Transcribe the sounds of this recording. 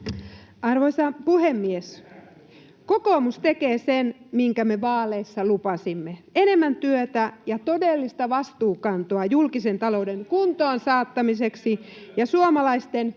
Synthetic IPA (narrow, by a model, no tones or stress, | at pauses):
ɑrʋoisɑpuhemːies | kokoːmust̪e̞keːsenmiŋkæmeʋɑːleːsːɑlupɑsimːeene̞mːænt̪yøt̪æjɑt̪o̞delːist̪ɑʋɑst̪uːkɑnt̪oɑjulkisent̪ɑlo̞udeŋkunt̪oːnsɑːt̪ːɑmiseksijɑsuomɑlɑist̪en